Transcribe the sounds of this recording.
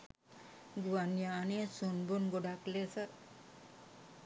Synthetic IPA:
ɡuʋanjaːnesunbunɡoɖaklesə

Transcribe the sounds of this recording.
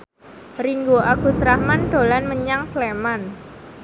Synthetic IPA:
riŋɡoʔaɡ̥ṳsɾahmanɖ̪̥o̤lanməɲaŋsleman

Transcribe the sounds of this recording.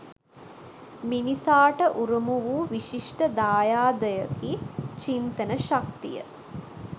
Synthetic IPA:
minisaːʈɐʔuɾumuʋuːʋiʃiʂʈəd̪aːjaːd̪əjɐkit͡ʃint̪ənəʃak̚t̪ḭjə̰

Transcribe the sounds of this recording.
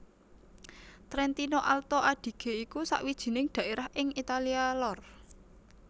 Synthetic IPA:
t̪ɾɛnt̪inoʔalt̪oʔaɖ̪̥i̤ɡ̥e̤ikusa̰ʔwid̥ʒ̥i̤nɪŋɖ̪̥ä̤ʔeɾahʔɪŋit̪alialɔr

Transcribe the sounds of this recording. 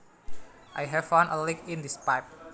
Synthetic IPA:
ʔajɦɛfãnʔəlĩkĩndispajp̚

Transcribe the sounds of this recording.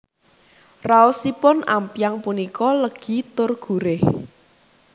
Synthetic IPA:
raʊsipʊna̰mpjaŋpunikɔləɡ̥i̤t̪ʊrɡ̥ṳɾɪh

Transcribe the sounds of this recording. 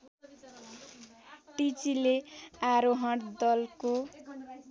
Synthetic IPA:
ʈit͡sileaɾoɦʌ̃ʈd̪ʌlko

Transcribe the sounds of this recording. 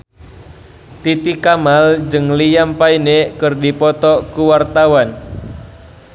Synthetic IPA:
t̪it̪ikamald͡ʒɨŋlijampainekɨrdipɔt̪ɔkuwart̪awan

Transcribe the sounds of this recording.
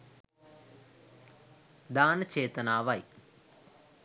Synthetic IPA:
d̪aːnɐt͡ʃeːt̪ɐnaːʋaj

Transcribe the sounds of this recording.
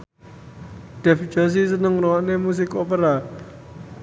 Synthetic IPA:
d̪̥ɛ̤fi̥d͡ʒas̬is̬ənəŋrowaʔnemus̬ɪkopəɾa

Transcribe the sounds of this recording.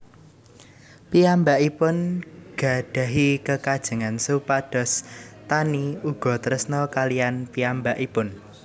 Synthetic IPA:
piambaʔipʊnɡ̥a̤d̥a̤ɦikəkad̥ʒ̥ə̤ŋansupad̥ɔ̤st̪aniuɡ̥ɔ̤t̪əɾəsnɔkalijanpiambaʔipʊn

